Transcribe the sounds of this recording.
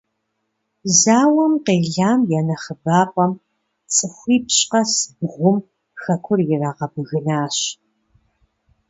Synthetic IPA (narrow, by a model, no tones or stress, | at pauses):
zaːwɐmqeːɮaːmjɛːnɐχəbaːpʼɐm | t͡sʼɨxʷiːpɕʼqɐsɨb̚ʁʷʊm | xɐkʷʰʊrjɪraːʁɐbɨɣɨnaːɕ